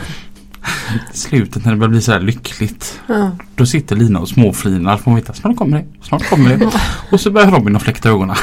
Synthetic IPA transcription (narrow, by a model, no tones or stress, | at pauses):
slʉ̟ːt̪ət̪næɖɛbœːɾbliːsɔd̪æːɭʏkʰːlɪt̪d̪̥ɔsɪt̪ːəɭiːnaɔsmoːfliːnaɾfɾanveːt̪ʰːasnɑːʈkʰɔmːəɖɛ | snɑːʈkʰɔmːəɖɛɔsɔbœɾjaɾɔbɪnɔflɛkt̪aøːɡɔna